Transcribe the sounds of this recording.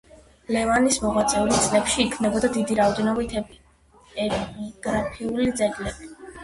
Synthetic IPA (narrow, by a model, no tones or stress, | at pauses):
lɛvanismɔʁat̪sʼɛulit̪sʼlɛpʃiːkʰvnɛbɔd̪ad̪id̪iɾaɔd̪ɛnɔbit̪ʰ | ɛpiɡ̥ɾapʰiulid̪zɛɡlɛbi